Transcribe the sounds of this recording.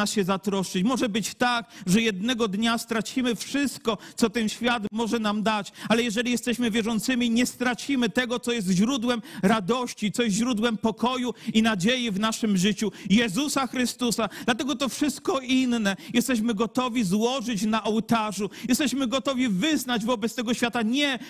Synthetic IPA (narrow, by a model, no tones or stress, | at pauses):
asɕɛzat̪ɾɔʂɘt͡ɕmɔʐɛbɘt͡ɕt̪ak̚ʐɛjɛd̪nɛɡɔd̪ɲast̪ɾat͡ɕimɘfʂɘst̪̚kɔsɔt̪ɛnɕfʲjat̪mɔʐɛnamd̪at͡ɕalɛjɛʐɛlʲijɛst̪ɛɕmɘvʲjɛʐɔnt̪sɘmʲiɲɛst̪ɾat͡ɕimɘt̪ɛɡɔt̪sɔjɛs̬t̪ʑɾud̪wɛmɾad̪ɔɕt͡ɕit̪sɔjɛst̪ʑɾud̪wɛmpɔkɔjuinad͡ʑejivnaʂɘmʐɘt͡ɕujɛzusaxɾɘst̪usad̪lat̪ɛɡɔt̪ɔfʂɘst̪̚kɔʔinːɛjɛst̪ɛɕ̬mɘɡɔt̪ɔvʲizwɔʐɘt͡ɕnaʔɔwt̪aʐujɛst̪ɛɕmɘɡɔt̪ɔvʲivɘznad͡ʑvɔbɛt̪st̪ɛɡɔɕfʲat̪aɲɛ